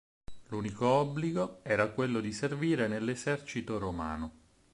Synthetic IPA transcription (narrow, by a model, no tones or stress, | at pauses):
luːnikoɔbːliɡoɛːɾakwelːod̪iserviːɾenelːezɛrt͡ʃit̪oɾoma̰ːno